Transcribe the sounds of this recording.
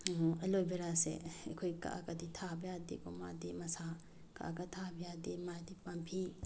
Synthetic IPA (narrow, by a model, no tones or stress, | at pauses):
elojbeɾasḛekʰojka̰ʔakaditʰabijadḛkɔmadimɐsa | ka̰ʔaɡatʰabijademadipampʰi